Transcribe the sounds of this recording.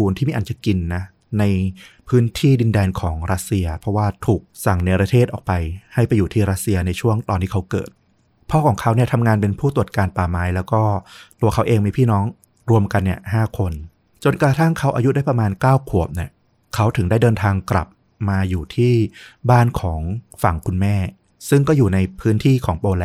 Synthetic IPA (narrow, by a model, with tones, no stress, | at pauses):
uː˧nʰi˥˩miː˧˩ʔa˨˧nt͡ɕa˨˩ki˧nːa˦˥ | na˧jpʰɯː˦˥nt̪ʰiː˥˩di˧ndɛː˧nkʰɔː˩˦ŋɾa˦˥t̪̚si˧ɐpʰɾɔ˦˥waː˥˩t̪ʰuː˨˩k̚sa˨˩ŋna˧˩pɾa˧t̪ʰeː˥˩t̪̚ʔɔ̰ː˨˩k̚pa˧jha˥˩jpa˧jːuː˨˩t̪ʰiː˥˩ɾa˦˥t̪̚si˧ɐna˧jt͡ɕʰu˥˩əŋt̪ɔː˧ntʰiː˥˩kʰa˦˥wkɤ̰ː˨˩t̪̚ | pʰɔː˥˩kʰɔː˩˦ŋkʰa˦˥wni˥˩ɐt̪ʰa˧mŋaː˧npe˧npʰuː˥˩t̪u˨˩ət̪̚kaː˧npaː˨˩maː˦˥jlɛː˦˥wkɔː˥˩t̪u˧ɐkʰa˦˥wʔeː˧ŋmiː˧pʰiː˥˩nɔː˦˥ŋ | ɾu˧əmka˧nːi˧˥˩ɐhaː˥˩kʰo˧n | t͡ɕo˧nkɾa˧t̪ʰa˥˩ŋkʰa˦˥wʔaː˧ju˦˥daː˥˩jpɾa˧maː˧nkaː˥˩wkʰu˨˩əp̚ni˥˩ɐ | kʰa˦˥wt̪ʰɯ˨˩˦ŋda˥˩jdɤː˧nt̪ʰaː˧ŋkla̰˨˩p̚ | maː˧juː˨˩t̪ʰiː˥˩baː˥˩nkʰɔː˩˦ŋfa˨˩˦ŋkʰu˧nmɛː˥˩ | sɯ˥˩ŋkɔː˥˩juː˨˩na˧jpʰɯː˦˥nt̪ʰiː˥˩kʰɔː˩˦ŋpoː˧lɛ˧